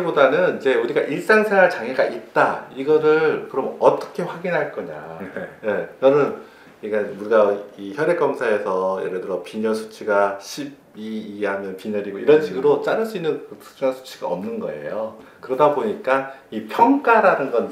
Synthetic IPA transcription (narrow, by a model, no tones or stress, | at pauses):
ebodanɯnid͡ʑe̞uɾiɡaʔiɭs͈aŋsʰeŋɦaɭt͡ɕaŋɦeɡaʔit̚t͈aiɡʌɾɯɭkɯɾʌmʌt͈ʌ̥kʰe̞ɸwaɡinɦaɭk͈ʌɲa̰jejʌɾʌn | kamuɾɡaiçjʌɾek͈ʌmsʰae̞sʰʌjḛɾɯdɯɾʌpiɲʌsʰu̥t͡ɕʰiɡaɕʰib̚iːɦamjʌnpiɲʌɾiɡoiɾʌnɕʰiɡɯɾot͡ɕ͈aɾɯɭs͈uinːɯnkɯtɯ̥k̚t͡ɕ͈uŋansʰu̥t͡ɕʰi̥ɡ̥a̰ʌ̰mnɯnɡʌ̰e̞̰jokɯɾʌdaboɲik͈aipʰjʌŋk͈aɾanɯnɡʌn